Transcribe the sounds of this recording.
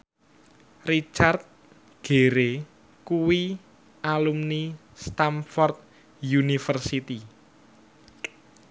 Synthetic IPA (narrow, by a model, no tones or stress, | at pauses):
rit͡ʃart̪̚ | ɡ̥e̤ɾe | kuwi | alumni | st̪amfɔrt̪̚ | junifərsit̪i